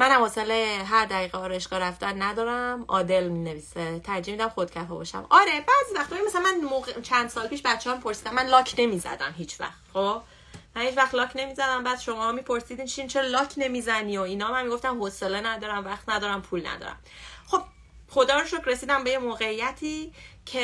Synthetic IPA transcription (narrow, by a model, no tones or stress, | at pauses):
mænæmhoːseleɦæɾd̪æɣiːɣeɒːɾeʃɡɒːɾæfd̪ænːæd̪ɒːɾæmʔɒːd̪elmineviːset̪ʰæɾd͡ʒiːmid̪æmxod̪̥cʰæfɛːbɒ̰ʃæ̰mɒɾebæzivæχt̪ɔjimæsælænmænmoɣt͡ʃʰænd̪sɒːlpʰiːʃbæt̪t͡ʃʰːehɒmipʰo̞ɾsiːd̪æmːænlɒːcʰne̞miːzæ̰d̪æ̰mɦiːt͡ʃʰvæ̰xt̪χob | mænhiːt͡ʃʰvæxt̪lɒːcʰne̞miːzæd̪æmbæːd̪̥ʃo̞mɒːmiːpʰo̞ɾsid̪iːnt͡ʃʰint͡ʃʰeɾɒlɒːkʰne̞miːzænioinɒːmænmiɡo̞ft̪æmhoselenæd̪ɒːɾæmvæχt̪næd̪ɒːɾæmpʰulnæ̰d̪ɒ̰ːɾæ̰mχo̞b̥ | χod̪ɒːɾoʃokʰɾesiːd̪æmbe̞jemoːɣeijːæt̪ʰiːcʰe